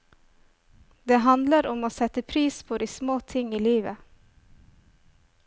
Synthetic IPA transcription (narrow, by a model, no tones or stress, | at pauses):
d̪eːɦɑnd̪ləɾʊmoːsɛt̪əpʰɾiːspʰoːd̪iːsmoːt̪ʰɪŋiːliːʋə